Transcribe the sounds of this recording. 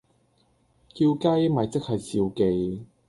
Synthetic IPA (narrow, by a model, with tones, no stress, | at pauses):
ki˧wka˥jmɐ˨˩jt͡sɪ˥k̚hɐ˨jsiː˧wke˧j